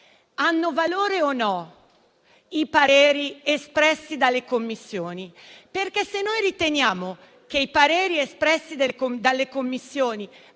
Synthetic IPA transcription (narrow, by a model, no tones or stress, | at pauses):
anːʊvaloːɾeonːɔ | ipaɾɛːɾiespɾɛsːid̪alːekomːisːjoːniperkesenːojɾit̪enjaːmʊ | k̟eipaɾɛːɾiespɾɛsːid̪ekod̪alːekomːisːjoːni